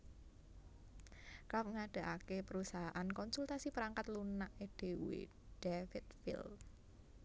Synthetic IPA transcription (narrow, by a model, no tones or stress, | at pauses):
kaŋaɖ̥a̤ʔakepəɾusaɦaʔankɔnsult̪asipəɾaŋkat̪lunaʔed̪̥e̤wḛ | d̥efɪt̪fɪ̰l